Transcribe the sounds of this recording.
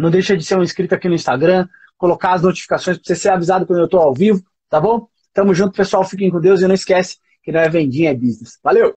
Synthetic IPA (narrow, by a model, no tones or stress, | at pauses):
nɐ̃w̃d̪ejʃɐd͡ʒɪseɾũɐĩskɾit̪ʊakinʊĩst̪aɡɾɐ̃ | kolokaɐznot͡ʃi̥fi̥kasõj̃s̬poɾseseɾavizad̪ʊkwɐ̃d̪ewt̪oawvivʊ | t̪abõ | st̪ɐ̃mʊzʒũt̪ʊ̥pesuawfikẽj̃kõd̪ewzɪnɐ̃w̃iskɛsɪ̥ | kɪnɐ̃w̃ɛvẽnd͡ʒĩɲɐɛbiznesvalew